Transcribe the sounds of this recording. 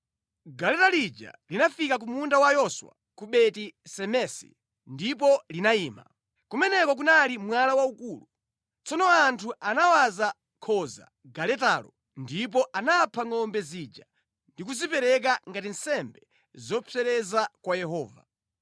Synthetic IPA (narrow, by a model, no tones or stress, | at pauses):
ɡalɛtalid͡ʒa̰linafikak̬umundawajɔswa̰ | kuɓɛtisɛmɛsḭ | ndipɔlinaiːma̰ | kumɛnɛkɔk̬unalimwalawaukulu | t͡sɔnɔantʰuanawaza | kʰɔza̰ | ɡalɛtalɔ | ndip̬ɔʔanapʰaŋɔmbɛzid͡ʒa | ndikuzipɛɾɛk̬aŋɡatinsɛmbɛ | zɔpʰɛɾɛzakwajɛɦɔːva̰